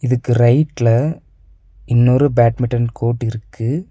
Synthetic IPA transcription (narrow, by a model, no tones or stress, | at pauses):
ɪðɯkːɯɾɐɪʈlɐ | ɪnːoɾɯbaːʈmɪʈːɐnkʰoːʈːɪɾɯkːɯ